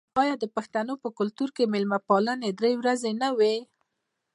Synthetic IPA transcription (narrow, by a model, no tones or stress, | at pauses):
ɑjɑd̪əpaxt̪anopəkʊlt̪uɾkemɪlmapɑləned̪ɾewɾazenawe